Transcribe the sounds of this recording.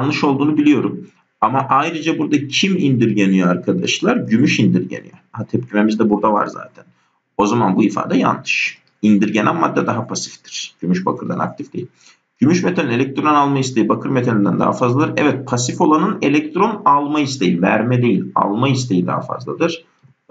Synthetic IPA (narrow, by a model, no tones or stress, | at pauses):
anˠɯʃo̞lˠd̪uːnubilʲijo̞ɾum | amaʔajɾɯd͡ʒabuɾd̪acʰimind̪iɾɟenijoaɾkʰad̪aʃlˠaɾɟymyʃind̪iɾɟḛnḭjøt̪ʰɛpcʰyme̞mizd̪ɛbuɾd̪ava̰ɾza̰ːt̪ʰæn | o̞zamanbuifa̰ːd̪ɛja̰nlˠɯʃ | ind̪iɾɟenæmmad̪ːɛd̪aɦapʰasi̥ft̪i̥ɾ̥ɟ̥ymyʃbakʰɯɾd̪a̰na̰k̚t̪ʰifd̪̥e̞̰ilʲ | ɟ̥ymyʃmet̪ʰenine̞lʲɛc̚t̪ɾo̞nalˠmaist̪ʰe̞jibakʰɯɾmet̪ʰenʲind̪æ̰nd̪a̰ɦa̰fazlˠad̪ɯɾɛ̰vɛt̪̚pʰasifo̞lˠanɯne̞lʲɛc̚t̪ɾo̞nalˠmaist̪ʰejivæ̰ɾmɛd̪e̞jilʲa̰lˠmaist̪ʰe̞jid̪a̰ɦa̰fa̰zlˠad̪ɯɾ̥